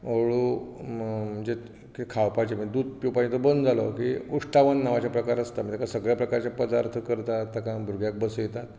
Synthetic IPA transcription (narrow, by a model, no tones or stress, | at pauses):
oɭu | m̤əɳd͡ʑe | k̪kʰawpat͡ɕem̤əd̪uːd̪̚piwpaɳ̃t̪obənd̪d͡zalokiuʂʈaʋənːaʋat͡ɕjapɾəkaɾəst̪am̤iːt̪akasəɡɭjapɾəkaɾt͡ɕjapəd̪aɾt̪ʰəkəɾt̪at̪ːəkãbʱuɾɡjak̚bəsujet̪at̪